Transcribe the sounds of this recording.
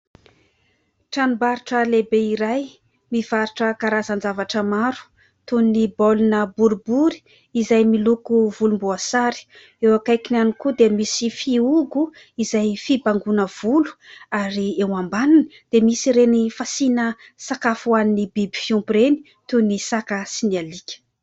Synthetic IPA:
ʈ͡ʂanubaɾiʈ͡ʂəlebeiɾaj | miv̥aɾiʈ͡ʂəkaɾazand͡zavaʈ͡ʂəmaɾu̥ | t̪unibolunəbuɾubuɾi̥ | izajmilukuvulumbuasaɾi̥ | ewakajkinanikud̪emisifiuɡu | izajfibaŋɡunəv̥ulu̥aɾiewambananid̪̥emisiɾenifasinə | sakafuaninibibi̥fiumpɾeni̥ | t̪unisakasinialikʲə̥

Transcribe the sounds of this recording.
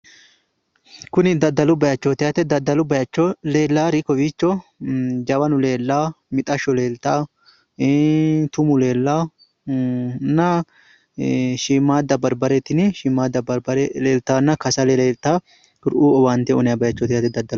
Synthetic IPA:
kʊnɪd̪ɐd̪ːɐlʊbɐjɐt͡ʃːɔt̪ɪjat̪ɛd̪ɐd̪ɐlʊbɐjɐt͡ʃːɔleːlːaːɾɪkɔwiːt͡ʃːɔ | d͡ʒɐwɐnʊleːlːaː | mɪt̪ʼɐʃɔleːlt̪aː | t̪ʊmʊle̞ːlːaː | nːɐ | ʃimaːd̪ɐbɐɾbɐɾɛt̪ːɪnɪʃiːmːaːd̪ɐbɾleːlt̪aːnːɐkɐsɐleeːlt̪aː | ʊɾʔuːɔwaːnt̪ɛɔnɛjɐbɐjɐt͡ʃːɔt̪ɪjat̪ɛd̪ɐd̪ːɐl

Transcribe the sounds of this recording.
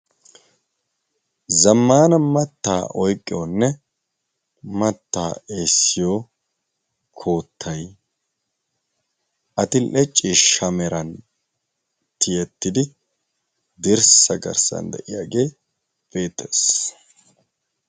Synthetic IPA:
zɐmːaːnɐmɐt̪ːa̰ːʔɔjkʼːɪjonːɛ | mɐt̪ːaːeːsːɪjo | kʰo̞ːt̪ʰːɐj | ʔɐt̪ɪlɛt͡ʃʼːiʃɐmɛɾɐn | t̪ʰɪjɛt̪ːɪd̪ɪ | d̪ɪɾsɐɡɐ̰ɾsɐ̰nd̪ɛ̰ʔɪjaːɡeː | b̥e̞ːt̪ʰːes

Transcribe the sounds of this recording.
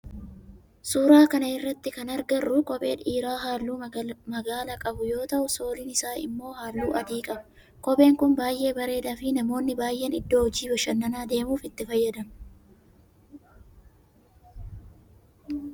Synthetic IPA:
suːɾaːkɐnɐɪrːɐt̪ːɪkɐnɐɾɡɐrːʊkʼɔpʼe̞̰ːᶑiːɾaːɦaːlːuːmɐɡaːlɐkʼɐbʊjo̞ːt̪ɐʔʊso̞ːlɪnɪsaːɪ̰mːo̞ːhaːlːuːʔɐd̪iːkʼɐbɐ | kɔpʼe̞ːŋkʊnbaːjʔe̞ːbɐɾe̞ːd̪ɐfɪnɐmo̞ːnːɪbaːjʔːe̞ːnɪd̪ːo̞ːhɔd͡ʒiːbɐʃɐnːɐnaːd̪e̞ːmuːfɪt̪ːɪfɐjːɐd̪ɐm

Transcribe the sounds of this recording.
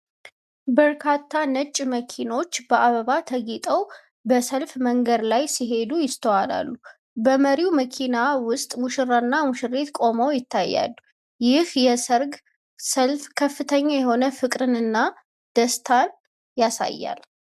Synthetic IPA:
bəɾkʰat̪ʰːanət͡ʃʼːməkʰino̞t͡ʃːbəʔaβəβat̪ʰəɡit̪ʼəw | bəsəlfməŋɡəd̪lajsiɦe̞d̪ujɪst̪ʰəwala̰lːu | bəməɾiuməkʰinawʊst̪ʼmuʃɨɾaɨnːamʊʃɨrːet̪kʼo̞məwjɪt̪ʰːajːa̰lːu | jɪhjɛsəɾɡ | səlfkʰəfːɨt̪ʰəɲːajɛho̞nəfɨkʼɾɨnɨnːa | d̪̥əst̪ʰan | jasa̰jːa̰l

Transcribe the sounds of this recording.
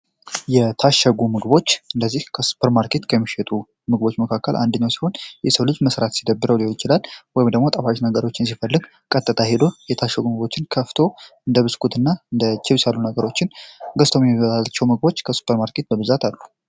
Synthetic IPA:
jɛt̪ʰaʃːəɡumɨɡɨbo̞t͡ʃːɨnd̪əzːihkʰəsu̥pʰəɾmaɾkʰe̞t̪kʰəmiʃɛt̪ʼu | mɨɡɨbo̞t͡ʃːməkʰakːəlʔa̰nd̪əɲːawsi̥ho̞njɛsəwlɨd͡ʒməsɾat̪sid̪əbːɨɾəwliholjɪt͡ʃɪlalwɔjɪmd̪əɡmo̞t̪ʼəfaʃnəɡəɾo̞t͡ʃːɪns̬ifəlːɨɡ | kʼət̪ʼːɨt̪ʰaɦed̪o̞jɛt̪ʰaʃəɡumɨɡbo̞t͡ʃːɪnkʰəft̪ʰo̞ɨnd̪əβɨskʰut̪ʰɨnːaɨnd̪ət͡ʃʰːɪβsalːunəɡəɾo̞t͡ʃːɪnɡəst̪ʰomjɛmiβəlalt͡ʃːɛwmɨɡ̚bo̞t͡ʃːkʰəsu̥pʰəɾmaɾkʰe̞t̪̚bəβɨzat̪ʰalːu

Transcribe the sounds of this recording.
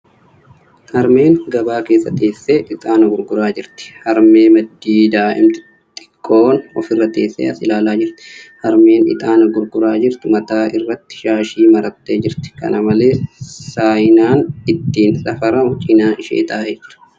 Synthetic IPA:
hɐɾme̞ːŋɡɐbaːke̞ːsːɐt̪ʼeːsːeːʔɪt̪ʼaːnɐɡʊɾɡʊɾaːd͡ʒɪɾt̪ɪ̥hɐɾmeːmɐd̪ːiːd̪aːʔɪ̰mt̪ɪ̥ | t̪ʼɪ̥kʼːo̞ːnɔfɪrːɐt̪ːeːsːḛːɐsɪlaːlaːd͡ʒɪɾt̪ɪ̥hɐɾme̞ːnɪ̰t̪ʼaːnɐɡʊɾɡʊɾaːd͡ʒɪɾt̪ɪmɐt̪aːʔɪrːɐt̪ːɪ̥ʃaːʃiːmɐɾɐt̪ːeːd͡ʒɪɾt̪ɪ̥kɐ̰nʔɐmɐle̞ːsaːjnaːnɪt̪ːiːnsʼɐfɐɾɐhʊt͡ʃʼɪnaːɪʃḛːt̪ʼaːʔeːd͡ʒɪɾɐ̥

